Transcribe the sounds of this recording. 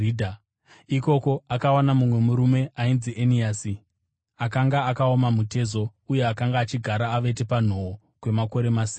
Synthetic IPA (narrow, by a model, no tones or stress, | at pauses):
dʱa | iko̞ko̞akawanamumwe̞muɾume̞ainziʔeniasi | akaŋɡaːkaomamute̞zo̞uje̞akaŋɡaːt͡ʃiɡʱaɾaːʋe̞te̞pan̤o̞o | kwe̞mako̞ɾe̞masiː